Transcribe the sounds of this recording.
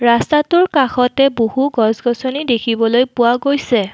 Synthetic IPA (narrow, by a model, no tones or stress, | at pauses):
ɹastatʊɹkaxɔtɛbohuɡɔzɡɔsɔnidekʰibɔlojpʊwaɡojsɛ